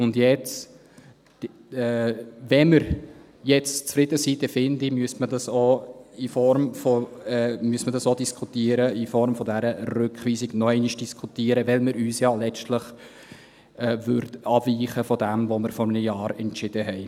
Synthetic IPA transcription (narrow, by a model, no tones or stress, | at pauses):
ʊndjɛt͡s | ɛvɛməɾ | jɛt͡st͡sfɾɪd̥əsit̪əfɪndimyəstmədɑsoifɔɾmfɔɛmyəsmədɑsodiskʰut̪iːəɾəifɔɾmfɔdæɾərʏkχʋiːsɪɡ̥nɔɛɪniʃd̥iskʰut̪iːəɾəʋɛlməɾyːsjɑːlɛt͡ʃtləχ | ɛːvʏɾdɑviːχəfɔdɛmvoməɾfɔrnəjɑːɾɛntt͡ʃɪd̥əɦɛɪ